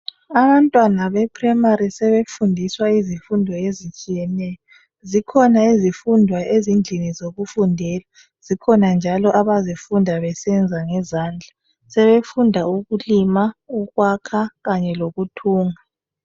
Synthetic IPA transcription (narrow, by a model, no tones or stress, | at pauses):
aβantʼwanaβɛpʰrɛmaɾisɛβefundʱiswaizifundʱɔezit͡ʃʼijɛnɛːjɔ | zikʰɔnaezifundʱwaʔezind͡ɮʱinizoɣufundʱɛːla | z̥ikʰɔnand͡ʒʱalɔʔaβazifundʱaβɛsɛnd͡zʱaŋɛzaːnd͡ɮʱa | sɛβefundʱauɣulimauɣwakʰaɣaɲɛloɣutʰuːŋa